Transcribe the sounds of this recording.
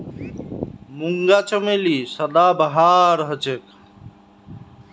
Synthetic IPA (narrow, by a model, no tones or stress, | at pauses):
muŋɡaːt͡ʃəmelisəd̪aːbəɦaːɾɦət͡ʃek